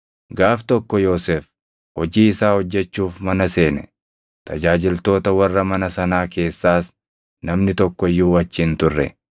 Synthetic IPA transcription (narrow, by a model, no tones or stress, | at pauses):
ɡaːft̪ɔkːɔjo̞ːseːf | hɔd͡ʒiːɪsaːhɔd͡ʒːɛt͡ʃːuːfmɐnɐse̞ːnɛ | t̪ʰɐd͡ʒaːd͡ʒɪlt̪o̞ːt̪ɐwɐrːɐmɐnɐsɐnaːke̞ːsːaːs | nɐmnɪt̪ɔkːɔɪjːuːɐt͡ʃːiːnt̪ʊrːɛ̰